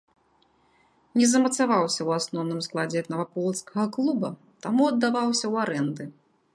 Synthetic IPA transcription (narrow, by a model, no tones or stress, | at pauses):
nʲɛzɐmɐt̪savawsʲɐwasnɔwnɨmsklˠad͡zʲɛt̪nɐvapɔlˠt̪skɐɣɐklˠubɐ | t̪amuɐd̪ːavawsʲɐwaɾɛnd̪ɨ